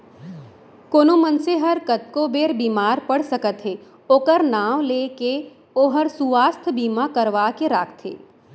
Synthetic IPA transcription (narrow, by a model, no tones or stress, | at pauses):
koːnomənseɦɐɾkɐt̪̚kobeːɾbiːmaːɾpəɽ̤səkət̪ɦeː | oːkəɾnaːʋleːke | oːɦɐɾsuʋaːst̪ʰbiːmakɐɾʋaːkeɾaːkʰt̪ɦḛː